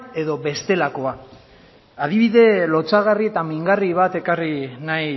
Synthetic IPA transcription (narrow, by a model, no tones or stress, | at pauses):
e̞ðo̞βe̞st̪e̞lako̞a | aðiβiðe̞lo̞t͡saɣ̞arie̞t̪amiŋɡariβat̪e̞karinaj